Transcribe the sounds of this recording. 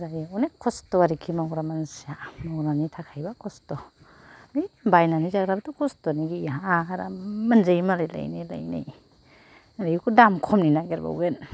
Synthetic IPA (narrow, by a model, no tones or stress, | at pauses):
ɾaɔnekʰɔstɔaɾikʰimawɾamansijamawɾanitʰakʰajbakʰɔstɔ | mibajnanizaɡɾabatukʰɔstɔniɡiaaaɾa̰manzajimalajla̰jnijla̰jna̰j | aɾijikudamkʰɔmninaɡeɾba̰wɡen